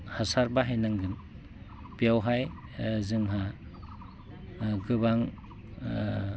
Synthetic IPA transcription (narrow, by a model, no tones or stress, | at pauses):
hasaɾbaɦajnaŋɡɯn | pijawɦaj | zɯŋɦa | ɡɯbaŋ